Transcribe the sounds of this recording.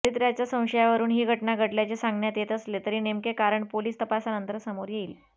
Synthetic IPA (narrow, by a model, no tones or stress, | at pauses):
it̪ɾjat͡ɕjasə̃w̃ɕəjaʋəɾuːnɦiːɡʱəʈɳaɡʱəʈljat͡ɕesãŋɡɳjat̪jet̪əslet̪əɾiːnemkekaɾəɳpoliːst̪əpasanənt̪əɾsəmoɾjeiːl